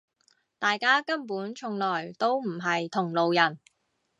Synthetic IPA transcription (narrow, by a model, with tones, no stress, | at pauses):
t̪aː˨jkaː˥kɐ˥mpuː˨˥nt͡ʃʰʊ˧ŋlɔː˨˩jt̪o˥wm̩˨˩ɦɐ˨jt̪ʰʊ˨˩ŋlo˨wjɐ˨˩n